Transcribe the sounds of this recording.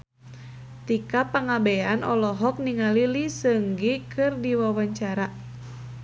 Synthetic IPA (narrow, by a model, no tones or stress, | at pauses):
t̪ikapaŋabɛanɔlɔɦɔk̚niŋalilisəŋɡikʰɨrdiwawaɲt͡ʃaɾa